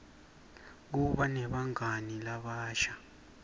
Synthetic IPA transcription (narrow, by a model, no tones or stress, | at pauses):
k̬uɓanɛɓaŋanilaɓaːʃa